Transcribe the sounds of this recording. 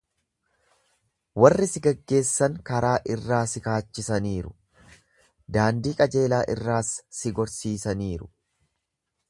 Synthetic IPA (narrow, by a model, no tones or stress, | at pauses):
wɐrːɪsɪɡɐɡːe̞ːsːɐŋkɐɾaːʔɪrːaːsɪkaːt͡ʃːɪsɐniːɾʊ | d̪aːnd̪iːkʼɐd͡ʒe̞ːlaːʔɪrːaːsːɪɡɔɾsiːsɐniːɾʊ̥